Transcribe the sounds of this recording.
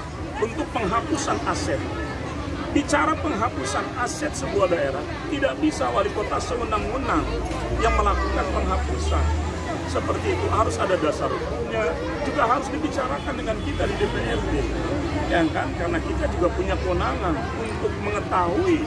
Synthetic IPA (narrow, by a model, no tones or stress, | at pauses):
unt̪ʊk̚pəŋɦapusanasɛt̪̚ | bit͡ʃaɾapəŋɦapusanasɛt̪̚səbuahdaeɾa̰h | t̪idaʔbisawalikot̪asəwənaŋwənaŋ | jaŋməlakukanpəŋɦapusa̰n | səpərt̪iːt̪uɦaɾʊsadadasarəkuɲa | d͡ʒuɡaɦaɾʊsdibit͡ʃaɾakandəŋankit̪adidɪdaɛldɪŋ | jaŋka̰nkaɾənakit̪ad͡ʒuɡapuɲakəwənaŋan | unt̪ʊk̚məŋət̪aɦui